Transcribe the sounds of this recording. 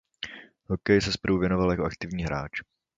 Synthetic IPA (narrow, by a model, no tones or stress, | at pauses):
ɦokɛjsɛspɾ̩uvjɛnovaljakoʔa̰kt̪ɪvɲiːɦɾaːt͡ʃ